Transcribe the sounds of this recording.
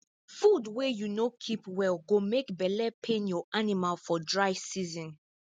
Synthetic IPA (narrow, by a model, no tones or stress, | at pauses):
fudwɛjunokʰipwɛlˠɡomekbɛlɛpʰẽnjɔʔanimalfɔdɹaɪvsizɔ̃n